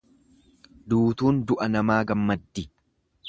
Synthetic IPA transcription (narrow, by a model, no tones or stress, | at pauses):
d̪uːt̪uːnd̪ʊʔɐnɐmaːɡɐmːɐd̪ːɪ